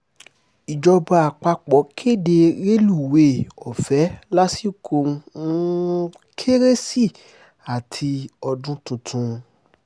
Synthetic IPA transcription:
i˨d͡ʒɔ˧ba˧a˨k͡pa˧k͡pɔ˨˦kʰe˦˨de˧ɾe˦lu˦˨we˨ɔ˨fɛ˨˦la˦si˦˨kʰo˧ũ˦ | kʰe˦ɾe˦si˦˨ | a˨tʰi˧ɔ˧dũ˦tũ˧tʰũ˧

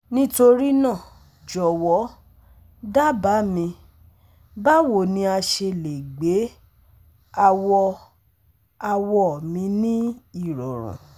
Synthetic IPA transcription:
nĩ˦to˧ɾi˦nã˦˨ | d͡ʒɔ˨wɔ˨˦ | da˦ba˨˦mĩ˧ | ba˦wo˨nĩ˧˦a˧ʃe˧le˨ɡ͡be˨˦ | a˧wɔ˧ | a˧wɔ˧˦˨mĩ˧nĩ˦i˦˨ɾɔ˨ɾ̃ṵ̃˨

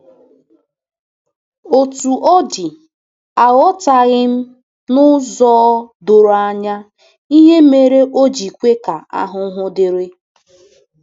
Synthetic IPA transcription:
o˨tu˨ʔɔ˦dɪ˨ | a˨ɣɔ˦ta˨ɣɪ˦m̩˦ | nʊ˦zɔː˦do˨ɾa˨ɲa˦ | i˦ɦe˦me˨ɾe˦ʔo˦d͡ʒi˨kʷe˦ka˨a̰˦ɦʊ˦ɦʊ˦dɪ˨ɾe˦

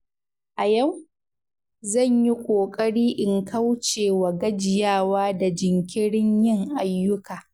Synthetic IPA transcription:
ʔa˨jɐ˦˨w | zɐ˦˨ɲji˦kʷʼoː˨kʼɐ˦ɽiː˦ʔɪ˨ŋkʰɐ˦wt͡ʃeː˨wɐ˨ɡɐ˦d͡ʒɪ˨jaː˦˨waː˦da˨d͡ʒɪ˨ŋkʲɪ˦ɽɪ˦ɲjɪ˦ŋʔa˨jːʊ˦kaː˨

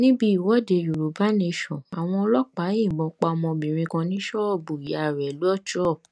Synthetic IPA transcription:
nĩ˦bi˦i˨wɔ˨˦de˧ju˨ɾu˨˦ba˦ne˧ʃɔ̃˨a˨w̃ɔ̃˧ɔ˧lɔ˦k͡pa˨˦ĩ˦˨bɔ̃˧k͡pa˧ɔ˧mɔ̃˧bĩ˨ɾ̃ĩ˧kã˧nĩ˦ʃɔ˦ɔ˦˨bu˨i˨ja˨ɾɛ˨lu˦ɔ˦tɔ˦˨

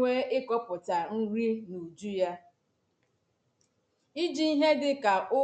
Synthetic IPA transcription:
e˦ɪ˦kɔ˦pʊ˨ta˨n̩˦ɾi˦nu˨d͡ʒu˦ja˦ | i˦d͡ʒi˦i˦ɦe˦dɪ˦ka˨ʔʊ˦

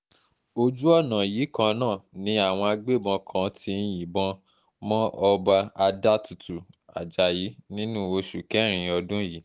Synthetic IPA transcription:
o˧d͡ʒu˦ɔ˦˨nã˨ji˨˦kã˧nãː˦˨nĩ˨˦a˦˨w̃ɔ̃˧a˧ɡ͡be˦˨bɔ̃˧kʰã˨˦tʰi˧n̩˦jĩ˨bɔ̃˧ | mɔ̃˦ɔ˧ba˧a˧da˦tu˨tu˨ | a̰˨d͡ʒa˨ji˨˦nĩ˦nũ˦˨o˧ʃu˨kɛ˨˦ɾ̃ĩ˨ɔ˧dũ˦ji˨˦

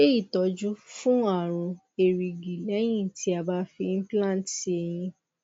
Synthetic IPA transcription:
e˦i˦˨tɔ˨˦d͡ʒu˦fũ˦a˦˨ɾ̃ũ˨˧ | e˨ɾi˨ɡi˨lɛ˨˦j̃ĩ˦˨tʰi˧˦a˧ba˧fi˧n̩˦plã˦˨nti˧ɛ˧˨j̃ĩ˧

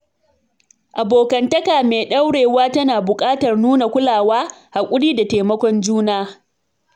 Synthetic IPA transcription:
ʔa˨boː˨kɐ˨ntɐ˦kaː˨meː˨ɗɐ˦wɽeː˨waː˦tɐ˦naː˨bʊ˨kʼaː˦tɐ˨rnuː˦na˨kʷʊ˦laː˨waː˦ha˨kʷʼʊ˦ɽiː˦da˨teː˨mɐ˦kʷɔ˦nd͡ʒuː˦naː˦

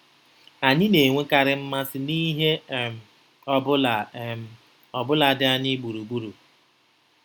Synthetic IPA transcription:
a˨ɲɪ˦ne˨ŋʷe˦ka˦ɾɪ˦m̩˦ma˦sɪ˦ni˦ɦe˦m˨ | ɔ˦bʊ˦l | ɔ˨bʊ˦la˨dɪ˦a˦ɲɪ˦ɡ͡bu˨ɾu˨ɡ͡bu˦ɾu˨

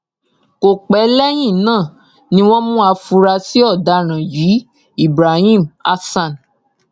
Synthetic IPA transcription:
ko˨k͡pɛ˨˦lɛ˦j̃ĩ˦˨nãː˦˨ | nĩ˧˦w̃ɔ̃˦mũ˦a˧fu˧ɾa˧si˦ɔ˦˨da˧ɾ̃ã˨jiː˨˦ | i˦˨bɾa˨hĩ˦˨ma˧sã˦˨n

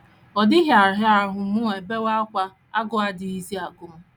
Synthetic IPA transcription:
ɔ˨dɪ˦ɦja˨ɾɦɪ˦a˨ɾɦʊ˨˦mʊ˦e˨e˨be˦wa˦kʷa˦ | a˦ɡʊ˦a˨dɪ˨i˦zi˦a˨ɡʊ˨m̩˦

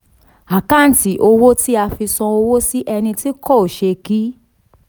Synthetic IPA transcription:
a˨ka˦n̩˨ti˨ʔo˧wo˦ti˦a˧fi˧sɔ̃˧o˧wo˦si˦ʔɛ˧nĩ˧ti˦kɔ˦˨o˨ʃe˧ki˦

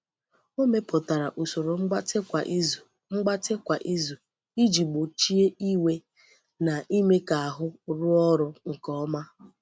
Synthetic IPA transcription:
o˦me˦pʊ˨ta˨ɾa˨ʔu˨so˨ɾo˨ŋ͡m̩˦ɡ͡ba˦tkʷa˨ʔz | ŋ͡m̩˦ɡ͡ba˦tɪ˦kʷa˨ʔi˦zu˨ | i˦d͡ʒi˨ɡ͡bo˨t͡ʃi˦e˦ʔi˦we˦ | na˨ʔi˦me˦ka˨a˨ɦʊ˦ɾʊ˦ɔ˦ɾʊ˦ŋ̩˨kɔ˦ma˦

